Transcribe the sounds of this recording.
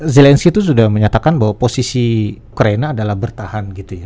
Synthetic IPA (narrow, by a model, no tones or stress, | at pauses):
zelɛnskit̪us̬udahməɲat̪akanbaɦwaposisiukɾainaːdalahbərt̪ahanɡit̪uja